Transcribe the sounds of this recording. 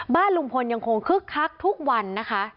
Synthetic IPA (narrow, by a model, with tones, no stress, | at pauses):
baː˥˩nlu˨˧˩mkʰo˧nja˧ŋkʰo˧ŋkʰɯ˦˥˩kʰːa˦˥k̚t̪ʰu˦˥k̚wa˧nːa˦˥kʰa˦˥ʔ